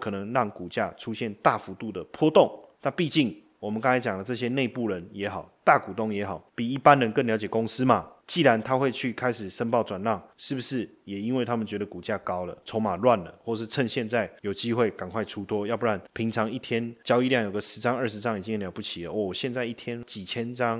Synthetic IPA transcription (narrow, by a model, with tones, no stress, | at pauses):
kʰɤ˨˩nɤ˧˦ŋɻɑ˥˩ŋku˨˩t͡ɕja˥˧ʈ͡ʂʰu˥˦ɕjɛ˥˧nt̪a˥˩fu˧˥t̪u˥˩d̪ə˩pʰwɔ˥t̪o˥˨˩ŋna˥˧pi˥˧t͡ɕi˥˩ŋ | wɔ˨˩mə˨˦nkɑ˥ŋt͡sʰa˧˥ɪt͡ɕjɑ˨˩ŋlə˦t͡sɤ˥˧˩ɕ̬jɛ˥ne˥˧ɪpu˥˩ɻə˨˦njɛ˧˥xɑ˨˩ʊt̪a˥˨ku˨˩t̪o˥˩ŋjɛ˧˥xɑ˨˩ʊpi˨˩i˥˩pa˦nɻə˧˦nkə˥˩nljɑ˧˥ʊt͡ɕjɛ˨˩ko˥ŋs̩˦ma˨t͡ɕi˥˩la˧˦nt̪ʰa˥xwe˥˧ɪt͡ɕʰy˥˩kʰa˥ɪʂɻ̩˨˩ʂə˥npɑ˥˩ʊt͡swa˨˩nlɑ˥˩ŋʂɻ̩˥˩bu˩ʂɻ̩˥˩jɛ˨˩i˦˥nwe˥˩ɪt̪ʰa˦˥mə˨t͡ɕɥɛ˧˥d̪ə˨ku˨˩t͡ɕja˥˩kɑ˥ʊlə̰˨t͡sʰo˧˥ŋma˨˩lwa˥˨nlə̰˩xwɔ˥˩ʂɻ̩˥˧t͡sʰə˥˧ŋɕjɛ˥˧nt͡sa˥˩ɪjo˨˩ʊt͡ɕi˦xwe˥˩ɪka˨˩nkʰwa˥˩ɪʈ͡ʂʰu˥t̪ʰwɔ˥jɑ˥˧pu˥˩a˥˩npʰi˧˥ŋt͡sʰɑ˧˦ŋi˥˩t̪ʰjɛ˥nt͡ɕjɑ˥ʊi˧ljɑ˥˩ŋjo˨˩ʊɡə˧ʂɻ̩˧˦t͡sɑ˦ŋə˞˥˩ʂɻ̩˧˥t͡sɑ˥˦ŋi˨˩t͡ɕĩ˦ŋ˨ljɑ˧˥ʊpu˥˩t͡ɕʰi˨˩lə̰˨wɔ˥˩˨ɕjɛ˥˧nt͡sa˥˧ɪi˥˩t̪ʰjɛ˦˥nt͡ɕi˨˩t͡ɕʰjɛ˦˥nt͡sɑ˦ŋ